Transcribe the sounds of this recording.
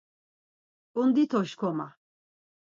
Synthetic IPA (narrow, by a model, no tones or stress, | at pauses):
und̪it̪ʰɔʃkʰɔma̰